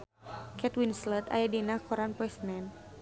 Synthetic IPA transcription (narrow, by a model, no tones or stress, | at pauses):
kʰɛt̪winslət̪a̰jadinakʰɔɾanpɔɛsnɛn